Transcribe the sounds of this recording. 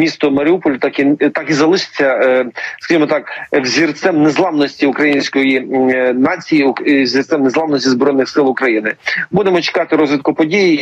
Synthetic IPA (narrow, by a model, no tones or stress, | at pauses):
mʲist̪ɔmɐɾʲɪupɔlʲʊt̪ɑkit̪ɑkizɐlˠɪʃɪ̥t͡sʲːɐskɐʒimɔt̪ɑkwzʲirt̪sɛmnezlˠɑʋnɔsʲtʲiʊkɾɐjinʲsʲkɔjinɑt͡sʲijizʲirt̪sɛmnezˠɑʋnɔsʲtʲizbɾɔjnːɪxsɪlˠʊkɾɐjinɪbud̪emɔt͡ʃɪ̥kɑt̪ɪɾɔzʋʲɪt̪̚kʊpɔdʲiji